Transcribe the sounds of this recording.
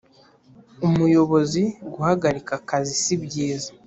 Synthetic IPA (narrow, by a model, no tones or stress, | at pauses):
umujo̞βo̞ziɡuhaɡaɾikakazisibɟiːzḁ